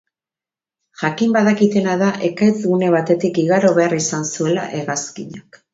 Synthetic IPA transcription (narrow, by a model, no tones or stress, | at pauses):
ʝakimbaðakit̪e̞naðaʔe̞kat͡sɣune̞βat̪e̞t̪ikiɣaɾo̞βe̞arisansue̞la̰ʔe̞ɣaskiɲak